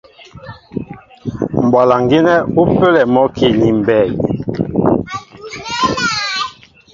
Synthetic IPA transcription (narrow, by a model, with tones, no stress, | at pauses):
m˨bwa˨la˨ŋɡi˦nɛ˦u˦fe˦lɛ˨mɔ˦kʰi˦˨ni˨m˨bɛ˦˨j